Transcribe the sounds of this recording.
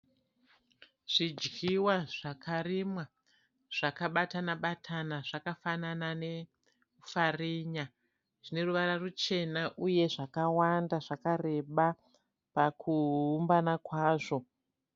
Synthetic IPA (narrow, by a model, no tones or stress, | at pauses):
ʐ̥id͡ʒɡiwaʐ̥akarimwa | ʐ̥akaɓatanaɓatʰanaʐakafananane̞ | kufariːɲa | ʐine̞ruʋaɾarut͡ʃe̞naʔuje̞ʐakawandaʐakare̞ɓa | pakʰuːmbanakwaːʐo̞